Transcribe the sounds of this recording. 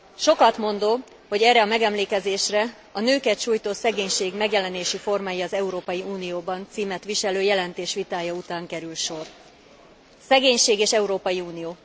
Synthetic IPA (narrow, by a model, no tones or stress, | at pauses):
ʃo̞kɒt̪mo̞nd̪oː | ho̞ɟɛrːɛɒmɛɡɛmleːkɛzeːʃrɛ | ɒnøːkɛt̪ʃuːjt̪oːsɛɡeːɲʃeːɡmɛɡjɛlɛneːʃifo̞rmaːjiɒzɛuɾoːpɒjiuːnijoːbɒnt̪siːmɛt̪ʋiʃɛløːjɛlɛnt̪eːʃʋit̪aːjɒut̪aːŋkɛɾylʃo̞r | sɛɡeːɲʃeːɡeːʃɛuɾoːpɒjiuːnijoː